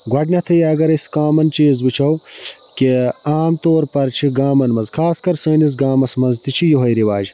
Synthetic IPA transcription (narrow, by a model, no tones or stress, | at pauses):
ɡwɐɖnɐt̪ʰɐjaɡɐɾɐskaːmɐnt͡ʃiːzbut͡ʃʰɐw | keaːmt̪oːɾpɐɾt͡ʃʰiɡaːmɐnmɐzkʰaːskɐɾsɐːnis̬ɡaːmɐsmɐnzt̪it͡ʃʰijuɦɐjɾiʋaːd͡ʑ